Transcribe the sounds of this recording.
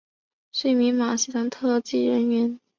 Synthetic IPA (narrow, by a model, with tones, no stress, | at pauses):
ʂwe˥˩ɪmi˧˥nma˨˩ɕi˥˩t̪a˧˥ŋt̪ʰɤ˥˧t͡ɕi˥˩ɻə˧˥nɥɛ˧˥n